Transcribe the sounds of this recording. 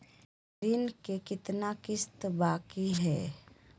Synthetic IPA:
ɾiːnkekɪt̪nakɪst̪baːkiɦɛː

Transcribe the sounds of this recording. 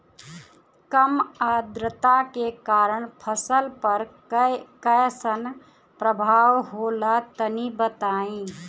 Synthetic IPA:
kəmad̪ɾət̪akekaɾəɳpʰəsəlpəɾ | kəjsən | pɾəbʱawɦolat̪ənibət̪aĩ

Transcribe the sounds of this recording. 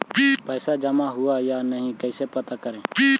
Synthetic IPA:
pəɪsad͡ʒəmaɦʊajanəɦĩkəɪsepət̪akəɾẽː

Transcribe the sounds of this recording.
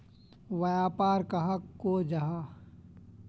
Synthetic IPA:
ʋɐjaːpaːɾkaɦakːod͡ʒaɦa

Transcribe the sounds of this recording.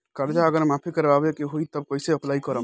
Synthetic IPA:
kəɾd͡ʒaəɡəɾmapʰikəɾbabekeɦujt̪əb̚kojseəplaikəɾəm

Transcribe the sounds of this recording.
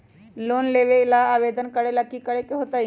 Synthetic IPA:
lonleʋelaːʋed̪ənkəɽelakːikəɽekeɦot̪a

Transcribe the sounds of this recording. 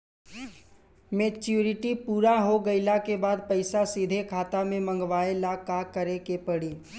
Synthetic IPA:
meːt͡ʃuːɾɪʈipuːɾaɦoɡɐɪlakebaːd̪̚pɐɪsasiːd̪ʱekʰaːt̪amẽmə̃ŋɡʋaːelakakəɾekepəɽiː

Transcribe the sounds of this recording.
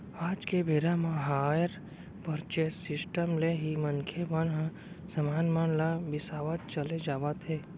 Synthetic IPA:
aːd͡ʒkebʱeɾamãɦaːjəɾ | pəɾt͡ʃesɪsʈəmleɦimənkʰemənɦã | səmaːnmanlabɪsaːʋat̪̚t͡ʃəled͡ʒaːʋat̪ɦeː

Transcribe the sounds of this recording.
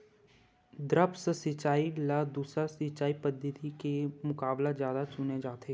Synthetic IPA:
d̪ɾəpsəsɪt͡ʃaːilaːd̪uːsɾasɪt͡ʃaːipəd̪ət̪ikemʊkaːblazjaːd̪at͡ʃʊned͡ʒaːt̪eː

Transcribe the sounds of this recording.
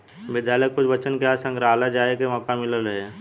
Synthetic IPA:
bɪd̪ʱjaːləkkʊt͡ʃbət͡ʃənkasə̃ŋɡɾaːlad͡ʒaːekemɔːkamɪləlɾəɦe

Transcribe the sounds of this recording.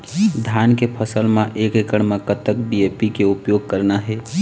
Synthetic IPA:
d̪ʱjaːnkepʰəsəlmãʔeːkekəɽ̃mẽkət̪əkbieːpikeʊpjoːɡ̚kəɾnaɦɛː

